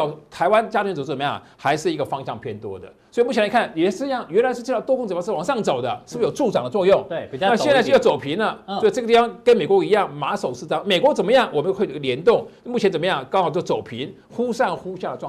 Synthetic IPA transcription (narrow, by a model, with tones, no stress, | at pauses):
ʊt̪ʰa˧˥ɪwa˦˥nt͡ɕja˥t͡ɕʰt͡so˨˩˥ə˨˩m˧jɑ̰˥˩ŋ | xa˧˥ɪʂɻ̩˥˩i˧˥ɡə˧fɑ˥ŋɕjɑ˥˧ŋpʰjɛ˥˩nt̪wɔ̰˥d̪ə̰˨swɔ˥i˨˧mu˥˩ɛ˧˥la˧˥kʰa˥˩jɛ˨˩˥jɑ˥˩ŋɥɛ˧˥nla˧ɪʂɻ̩˥˧t͡ɕ̪ʰt̪kŋt͡sə˨˧˥wɑ˨˩ŋʂɑ˥˩ŋt͡so˨˩ʊd̪ə˦ʂ̩˥˩˧jo˨˩ʊʈ͡ʂu˥˩ʈ͡ʂɑ˨˩ŋd̪ə˦t͡swɔ˥˧jʊ˥˩ŋ˥˧na˥˧ɕjt͡sa˥˧ʂ̩˥˧jt͡so˨˩ʊpʰi˧˥nlə˨sɔ˧˥i˨˩ʈ͡ʂɤ˥˩ɡə˧t̪i˥˩fɑ˥ŋkə˥nme˨˩ɪkwɔ˧˥i˧˥jɑ˥˩ŋma˧˥so˨˩ʊʂɹ̩˥˧˩ʈ͡ʂɑ˥ŋme˨˩ɪkwɔ˧˥t͡sə˨˩nmə˦jɑ˥˩ŋwɔ˨˩mə˦˥xwɡljɛ˧˥nt̪ʊ˥˩ŋ˥mu˥˩jɛ˧˥nt͡sə˨˩m˧˦jɑ˥˩ŋkɑ˥ŋxɑ˨˩t͡ɕʊ˩t͡so˨˩ʊpʰi˧˥n | xu˥ʂa˥˩nxu˥ɕja˥˩də˩˥˧